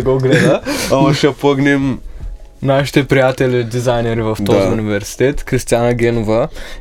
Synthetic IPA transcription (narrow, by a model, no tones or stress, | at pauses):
ɛɡoɡlɛd̪əamɐʃɛpəɡnɛm | naʃi̥t̪ɛpɾijat̪ɛlʲid̪izajnɛɾivɐft̪ɔziunivɛɾsi̥t̪ɛt̪kɾist̪ijanɐɡʲɛnuvə